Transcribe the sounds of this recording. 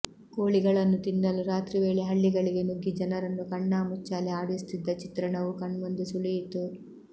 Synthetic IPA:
ko̞ːɭiɡɐɭɐnːut̪inːɐluɾaːt̪ɾiʋe̞ːɭeɦɐɭːiɡɐɭiɡe̞nuɡːid͡ʒɐnɐɾɐnːukɐɳːaːmut͡ʃːaːlɛaːɽist̪id̪ːɐt͡ʃit̪ɾɐɳɐʋukɐɳʋond̪usuɭijit̪u

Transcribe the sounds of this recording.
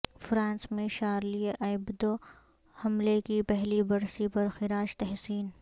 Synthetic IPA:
fɾãːnsmẽʃaːɾlieʔɐɪbd̪o | hɐmlekipɛɦlibɐɾsipɐɾxɪɾaːʃt̪ɛɦsiːn

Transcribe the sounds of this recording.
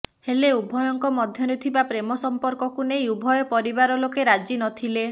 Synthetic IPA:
heleubʱɔjɔŋkɔmɔd̪ʱjɔɾet̪ʰibapɾemɔsɔmpɔɾkɔkunejubʱɔjɔpɔɾibaɾɔlokeɾad͡ʒinɔt̪ʰile

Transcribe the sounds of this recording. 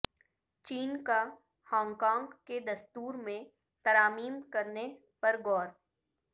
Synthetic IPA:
t͡ʃiːnka | hãːŋkãːŋɡked̪ɐst̪uːɾmẽ | t̪ɐɾaːmiːmkɐɾne | pɐɾɡɔːɾ

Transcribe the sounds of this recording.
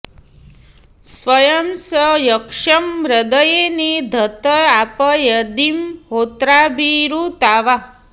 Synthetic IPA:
sʋəjəmsəjəkʂəmɾəd̪əjened̪ʱət̪əapəjəd̪imɦot̪ɾabʱiɾut̪aʋa

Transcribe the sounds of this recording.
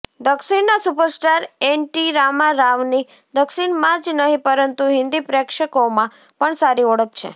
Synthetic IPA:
d̪əksinːasupəɾsʈaɾenʈiɾamaɾaʋni | d̪əksinmãd͡ʒnəɦĩpəɾənt̪uɦɪ̃nd̪ipɾɛkʃəkomã | pəɳsaɾiɔɽək̚t͡ʃʰḛ

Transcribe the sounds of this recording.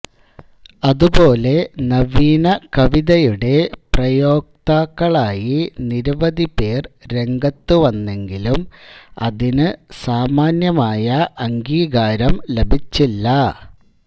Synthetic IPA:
ɐðubo̞ːle̞nɐʋiːnɐkɐʋiðɐjuɽe̞prɐjo̞ːk̚t̪aːkːɐɭaːjiniɾuʋɐðipe̞ːrɾe̞ŋɡɐt̪ːuʋɐnːe̞ŋɡilumɐ̰ðinɨsaːmaːnjɐmaːjɐʔɐŋɡiːɡaːɾɐmle̞bʱit͡ɕːilːɐ

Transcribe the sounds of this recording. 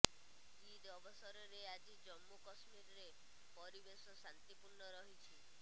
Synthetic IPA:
ɡid̪ɔbɔsɔɾɔɾead͡ʒid͡ʒɔmːukɔsmiɾɔɾe | pɔɾibesɔsant̪ipuɾɳɔɾɔɦit͡ʃʰi

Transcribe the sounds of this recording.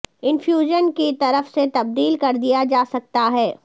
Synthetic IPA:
ɪnfjuːʒənkit̪ɐɾəfset̪ɐb̚d̪iːlkɐɾd̪ijad͡ʒaːsɐk̚t̪aɦɛː

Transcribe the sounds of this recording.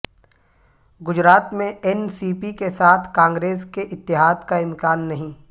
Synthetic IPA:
ɡʊd͡ʒɾaːt̪mẽɛnsiːpikesaːt̪ʰkãːŋɡɾeːskeʔɪt̪ːɪɦaːd̪kaɪ̃mkaːnːɐɦĩː

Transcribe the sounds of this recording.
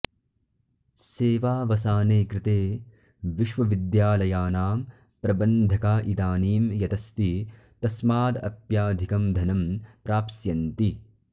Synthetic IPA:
seːʋaːʋɐsaːneːkɾɪt̪eː | ʋiʃʋɐʋid̪jaːlɐjaːnaːm | pɾɐbɐnd̪ʱɐkaːʔit̪aːniːmjɐt̪ɐst̪i | t̪ɐsmaːd̪ɐ̰pjaːd̪ʱikɐmd̪ʱɐnɐmpɾaːpsjɐnt̪i

